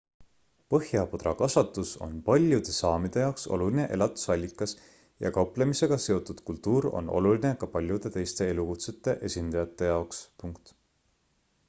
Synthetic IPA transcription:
pɤhjɑpod̪rɑkɑsɑt̪ːˑuso̞̰npɑlʲjud̪̥e̞sɑːmid̪̥e̞jɑwkso̞̰luline̞ʔe̞lɑt̪ˑu̥sɑlʲːikːˑɑs | jɑ̰kɑwplemise̞ɡ̥ɑse̞o̞t̪ːud̪̥kult̪ːˑuːɾo̞̰nʔo̞̰luline̞kɑpɑlʲjud̪̥e̞t̪e̞jst̪e̞e̞lukut̪se̞t̪ːˑe̞ʔe̞sʲind̪̥ɑjɑt̪ːˑe̞jɑokspuŋkt̪

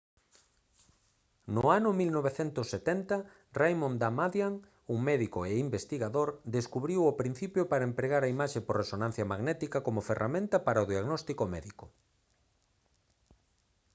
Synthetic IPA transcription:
nʊanʊmilnoβeθɛnt̪ʊsːet̪ɛnt̪ɐ | rajmõnd̪amaðjaŋ | uŋmɛðikoeimbest̪iɣaðoɾd̪eskuβɾiwopɾin̟θipjopaɾaempɾeɣaɾaimaʃeporesonãn̟θjɐmaɣnɛt̪ikɐkomʊferʔamẽnt̪ɐpaɾɐoðiaɣnɔst̪ikomɛðiko

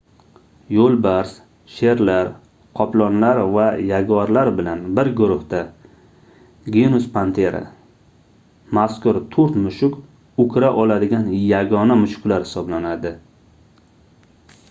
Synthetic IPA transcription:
jolˠbaɾs | ʃe̞ɾlaɾ | qʰɒplˠɒnlaɾvajaɡɒɾlaɾbɪlanbɪɾɡʊɾʊhd̪a | ɡenʊspʰant̪ʰe̞ɾa̰ | maskʊɾt̪ʰoɾt̪mʊʃʊkʲ | ʊkʰʲɾaʔɒlad̪ɪɡʲanjaɡɒnamʊʃʊ̥klaɾhɪ̥sɒblanad̪ɪ

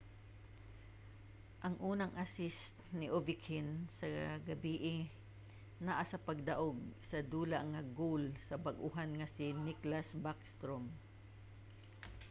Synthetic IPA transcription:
ʔɐŋʔuːnɐŋʔɐsɪst̪nɪʔovɪkhɪnsɐɡɐbiːʔɪ | naʔasɐpɐɡ̚d̪ɐʔoɡ̚sɐd̪uːlɐʔŋːɐɡolsɐbɐɡʔʊɦanŋɐsɪnɪklasbakst̪ɾom

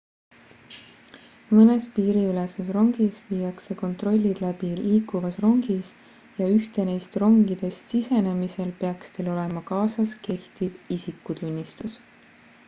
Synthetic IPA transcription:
mɤne̞spiːɾiylese̞sro̞ŋɡ̥isviːjɑkse̞ko̞nt̪ˑro̞lʲːid̪̥læb̥iliːkːˑuvɑsro̞ŋɡ̥is | jɑyht̪e̞nejst̪ro̞ŋɡ̥id̪̥e̞st̪sise̞ne̞mise̞lpe̞ɑkst̪e̞lo̞le̞mɑkɑːsɑske̞ht̪ivisikːˑut̪unʲːist̪us

